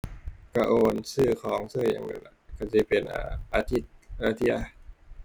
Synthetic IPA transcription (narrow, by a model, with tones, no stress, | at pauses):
ka˧˩ʔoː˧nsɯː˧˩kʰɔː˨˦ŋsɯː˥˩˨ja̰˧˩ŋnɯ̰˧˩nla̰˧˩ka˥˧˩si˧˩pe˧nʔa̰ː˧˩ʔaː˧t̪ʰi˧˩t̪̚ʔaː˧˩t̪ʰi˧˥a̰˧˩